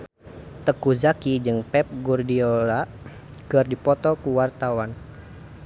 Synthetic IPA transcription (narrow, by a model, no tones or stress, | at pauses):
t̪əkuzakid͡ʒɨŋpɛp̚ɡurdiola | kərdipɔt̪ɔkuwart̪awan